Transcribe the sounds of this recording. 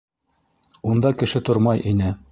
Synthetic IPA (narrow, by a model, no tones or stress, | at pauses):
und̪ɑkɘ̆ʃɘt̪oɾmɑjʔinɘ